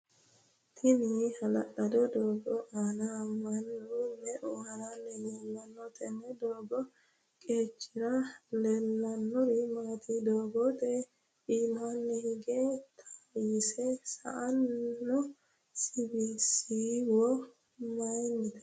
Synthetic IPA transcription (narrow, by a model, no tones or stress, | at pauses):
t̪ʰɪnɪhɐlɐɗɐd̪ɔd̪oːɡɔʔaːnamːɐnːunːɛʔʊhɐɾanːɛjɛlːɐnːɔt̪ʼɛnːɛd̪oːɡɔ | kʼeːt͡ʃːɪɾɐlɛlːɐnːɔɾɪmaːt̪ʰid̪oːɡɔt̪ʼɛ | iːmanːɛhɪɡɛt̪ʰḁjɪsɛsɐ̰ʔɐnːɔ | sibisiwɔ | mɐjnːɪt̪ɛ̥